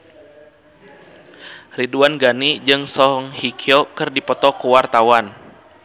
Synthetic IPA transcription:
riduanɡanid͡ʒɨŋsɔɦɔŋhikʰiɔkɨrdipɔt̪ɔkuwart̪awan

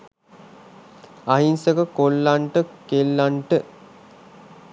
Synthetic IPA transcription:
aɦinsəkəkolːaɳʈəkelːaɳʈə

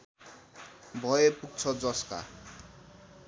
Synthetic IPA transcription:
bʱʌepuɡ̚t͡sʰʌd͡zʌska̰

